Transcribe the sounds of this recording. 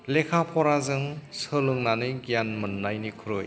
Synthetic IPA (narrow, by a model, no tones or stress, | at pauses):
lekʰapʰɔɾazɯŋsɯlɯŋnanɯjɡijanmɯnːajnikʰɯɾoj